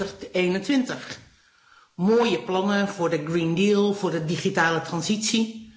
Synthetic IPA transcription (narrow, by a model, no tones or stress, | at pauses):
əχeːnəntʋɪntəχ | moːjəplɔŋəfʊːɹdəɡriːndiːlˠfʊːrdədiχitaːlətrɑnsitsi